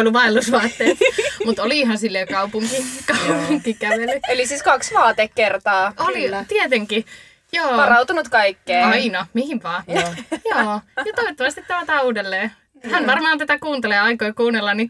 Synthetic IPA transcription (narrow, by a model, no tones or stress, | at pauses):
olːuʋɑelːusʋɑːt̪ːeːmut̪oliiɦɑnsilːekɑupuŋkikɑupuŋkːikæʋelːˑyelisiskɑksʋɑːt̪ekkert̪ɑːolit̪iet̪eŋki | joːʋɑrɑut̪unut̪kɑikːeːɑinɑmihiʋʋɑːjoːjɑt̪oet̪ːɑʋɑst̪it̪t̪æʋot̪ɑuːdelːeː | hænʋɑrmɑːnt̪æt̪ækuːnt̪eleːɑikoikuːnelːɑnni